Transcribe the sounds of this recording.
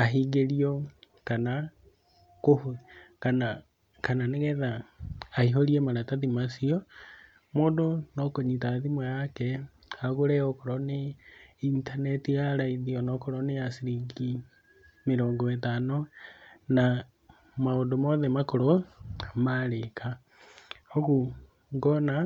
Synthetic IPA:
aɦiɡeɾiɔkana | kohukana | kananeɣɛðaː | iɦoɾiemaɾataðimasiɔ | moːdonɔkoɲitaðimwajakɛ | aɣoɾɛɔkoɾɔneintanɛtijaɾaiðiɔnɔkoɾonejasiɾiŋɡi | meɾoːŋɡoetano | na | maodomɔðɛmakoɾoamaɾekʰa | oku | ɡɔna

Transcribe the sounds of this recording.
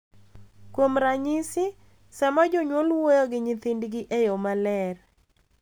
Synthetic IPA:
kwomɾaɲɪsɪ | sɛmɔd͡ʒoɲwolwojɔɡɪɲɪt̪ɪndɡɪʔejomalɛr

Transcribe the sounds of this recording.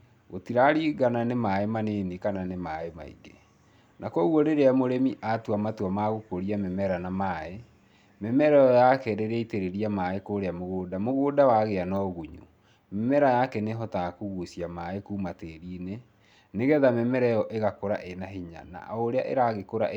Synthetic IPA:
ɣotiɾaɾiːɡananemaemaneːnikananemaema̰ḭɡe | nʔakɔɣwɔɾeɾeamoɾemiʔatwamatwamaɣokoɾiamɛmɛɾanamaːe | mɛmɛɾɛjɔjakɛɾeɾeiteɾeɾiamaekoɾeamoɣoːdamoɣoːdawaɣeanɔɣuɲṵ | mɛmɛɾajakɛneɦɔtaakuɣusiamaekuːmateːɾiːne | neɣɛðamɛmɛɾɛjɔʔeɣakoɾa̰ʔenaɦiɲa̰na̰ʔoɾea̰ʔḛɾaɣekoɾa̰

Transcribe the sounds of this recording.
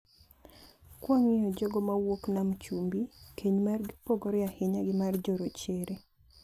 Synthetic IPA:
kwɔŋɪjod͡ʒoɡomawoknamt͡ʃumbikʰeɲmarɡɪpoɡoɾɪahɪɲaɡɪmard͡ʒoɾot͡ʃeɾe

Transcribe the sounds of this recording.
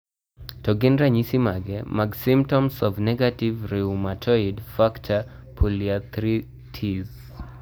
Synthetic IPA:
tɔɡɪndɾaɲisimaɡɛmaɡsimtɔmsɔvnɛɡativɾeumatʰɔidfaktʰa | pʰuliat̪ɾi | tʰiz

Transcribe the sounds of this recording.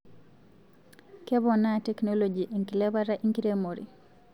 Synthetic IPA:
kɛβɔnatɛknolod͡ʒiʔiŋkilɛβaɾaʔiŋkiɾemoɾḭ

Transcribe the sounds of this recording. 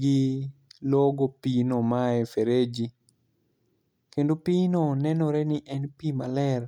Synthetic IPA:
ɡɪlɔɡopinomaɛfeɾed͡ʒi | kendopinonɛnɔɾɛnɪʔɛnpimalɛr

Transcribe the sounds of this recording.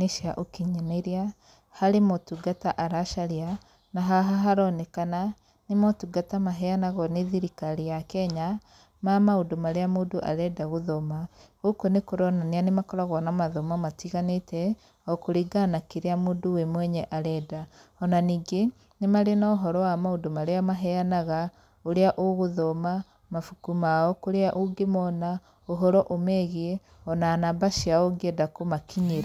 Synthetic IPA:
neʃaʔokiɲeneɾia | haɾemotuɡataʔaɾaʃaɾia | naɦaɦaɦaɾɔnekana | nemɔtuɡatamaɦɛanaɣɔneðiɾikaɾijakɛɲa | mamaodomaɾeamudoʔa̰ɾɛdaɣoðomaɣokonekoɾɔnaneanemakɔɾaɣɔnamaðomamatiɣanetɛ | ɔkoɾiɡanakiɾeamodowemwɛɲɛʔaɾɛːdaɔnaniːŋɡe | nemaɾenaoɦɔɾɔwamaodomaɾeamaɦɛanaɣa | oɾeaʔoɣoðoma | mafukumaɔkoɾeaʔoɡemɔna | oɦɔɾɔʔomɛɣiɛ | ɔnanabaʃiaoŋɡedakomakʰiɲiɾa

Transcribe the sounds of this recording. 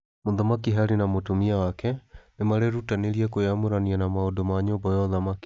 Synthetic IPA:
moðɔmakiɦaɾinamotumiawakɛnemaɾɛɾutaneɾiɛkojamoɾanianamaodomaɲobɔjɔðamaki̥

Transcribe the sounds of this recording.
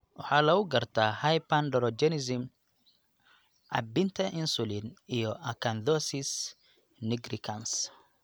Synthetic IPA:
wʊħaːlɐʊɡɐrt̪ʰahɐjpanɖɔɾɔd͡ʒɛnɛzɪm | ʔɐ̰bɪnt̪ʰɐʔɪnsʊlinijɔʔɐkʰɐnd̪ɔsis | nɪɡɾikʰɐns

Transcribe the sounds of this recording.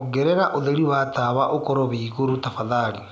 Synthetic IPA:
ɡeɾɛɾaʔoðeɾiwataβaʔokɔɾɔβiːɣuɾutafaðaːɾi

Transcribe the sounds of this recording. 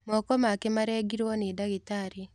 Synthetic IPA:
mɔkɔmakemaɾɛɡiɾwɔnedaɣitaɾi

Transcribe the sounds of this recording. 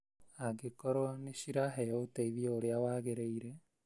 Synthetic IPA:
aɡekɔɾoaneɕiɾaɦɛooteiβiɔoɾeawaːɣeɾeiɾe

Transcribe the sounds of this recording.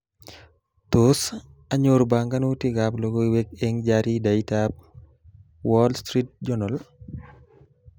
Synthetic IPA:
tos | ɐɲoɾbaŋɡanutiɡaplɔɡɔwɛk̚ɛŋd͡ʒaɾidaitap̚ | wɔlstɾit̚d͡ʒɔnal

